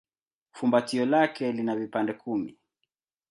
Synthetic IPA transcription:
fumbatiɔlakɛlinavipandɛkumi

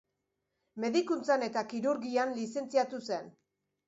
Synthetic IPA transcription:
me̞ðikunt͡sane̞t̪akiɾuɾɣianlise̞nt͡siat̪use̞n

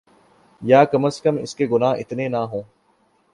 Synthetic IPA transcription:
jaːkɐməskəmɪ̰skeɡʊnaːɪ̰t̪nenaɦõː

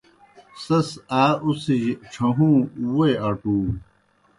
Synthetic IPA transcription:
sɐsaːusijʈ͡ʂʰɐ̃ɦũːuweaʈuː

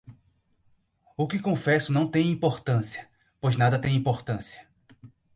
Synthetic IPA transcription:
ʊkɪkõfɛsʊnɐ̃w̃t̪ẽj̃ĩpoɾt̪ɐ̃siɐ | pojznad̪ɐt̪ẽj̃ĩpoɾt̪ɐ̃siɐ̥

